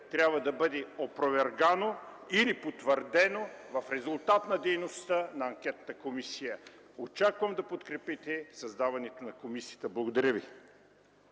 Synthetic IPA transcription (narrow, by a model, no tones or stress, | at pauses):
t̪ɾʲabvɐd̪ɐbəd̪ɛopɾovɛɾɡanoilipot̪vəɾd̪ɛnovɐfɾɛzʊlˠt̪at̪nɐd̪ɛjnost̪ənɐɐŋkʲɛt̪ət̪əkomisijə | ot͡ʃakvɐmd̪ɐpot̪kɾɛpit̪ɛsɐzd̪avɐnɛt̪onɐkomisijət̪əblˠɐɡod̪ɐɾʲəvi